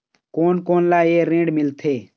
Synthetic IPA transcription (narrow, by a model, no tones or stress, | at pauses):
koːnkoːnlaːeːɾẽːɖmɪlt̪ʰeː